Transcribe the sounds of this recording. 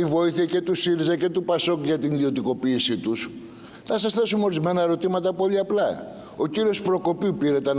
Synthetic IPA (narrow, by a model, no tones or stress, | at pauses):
ivo̞iθiɐce̞t̪usiɾizɐce̞t̪upɐso̞kuʝɐt̪inðio̞t̪iko̞piːsit̪us | θɐsɐsθe̞sumeoɾizme̞nɐe̞ɾo̞t̪imɐt̪ɐpo̞liɐplɐ | o̞ciɾio̞spɾo̞ko̞pipiɾe̞t̪en